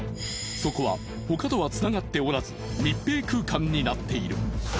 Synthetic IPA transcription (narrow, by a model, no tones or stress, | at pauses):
so̞ko̞βa̰ | ho̞kat̪o̞βat͡sɨnaɡat̪ːe̞oɾazɨ̥mʲipːe̞ːkɯ̟ːkãɲ̟ːinat̪ːe̞iɾɯ̟̰